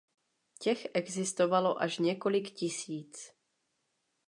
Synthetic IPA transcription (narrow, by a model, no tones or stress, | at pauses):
cɛxʔɛɡzɪst̪o̞valo̞ʔaʃɲɛko̞lɪkcɪsiːt͡s